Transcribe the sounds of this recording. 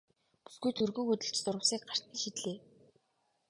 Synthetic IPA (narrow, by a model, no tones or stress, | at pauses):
pu̥sɡujt̪ʰɵrɣɵ̆ŋxɵt̪ɵ̆ɬt͡ɕt͡sʊɾə̆wsiːk̚ɢar̥ʲt̪ĭŋʃit̪ɮeː